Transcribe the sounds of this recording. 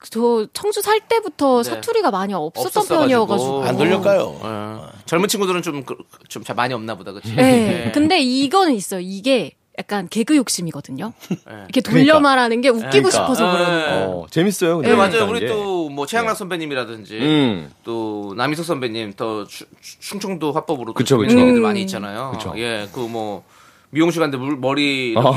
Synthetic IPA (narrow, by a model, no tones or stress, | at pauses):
t͡ɕʌt͡ɕʰʌŋsʰusʰaɭt͈e̞butʰʌsʰatʰuɾiɡamaɲiʌp̚s͈ʌtt͈ʌnjʌɲɲʌɡad͡ʑuɡoanoʎːʌk͈ajo̰ḛt͡ɕʌɭmɯnt͡ɕʰiŋɡudɯɾɯnt͡ɕomk | t͡ɕomt͡ɕamaɲiʌmnabodakɯd͡ʑʰije̞kɯnde̞iɡʌnɯnis͈ʌjoiɡe̞ | jak̚k͈anke̞ɡɯjok̚ɕ͈imiɡʌdɯɲojḛikʰetoʎːʌmaɾanɯnɡe̞uk͈iɡoɕʰipʰʌʌɡɯɾet͡ɕemis͈ʌjokemad͡ʑajouɾitt͈omwʌt͡ɕʰejaŋnak̚s͈ʰʌmbʰeɲimiɾadɯnd͡ʑit͈onamisʰʌk̚s͈ʰʌmbʰeɲimtʌt͡ɕʰ | t͡ɕʰuŋt͡ɕʰʌŋdoɸwak̚p͈ʌbɯɾotɯoeaaɲiːttt͡ɕ͈anajoɯt͡ɕʰo̰je̞kɯmwʌ | mioŋɕʰiɡandeumʌɾi